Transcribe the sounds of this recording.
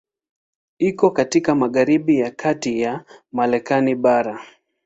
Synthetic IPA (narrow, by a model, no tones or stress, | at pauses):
ikɔkatikamaɠaɾiɓijakʰatijamaɾɛkaniɓaɾa